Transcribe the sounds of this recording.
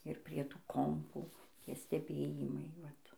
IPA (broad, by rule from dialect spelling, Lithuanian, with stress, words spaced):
ɪr pʲrʲiɛ ˈtuː ˈkoːmpuː ˈtʲiɛ sʲtʲɛˈbʲeːjɪmɐɪ ˈʋɐt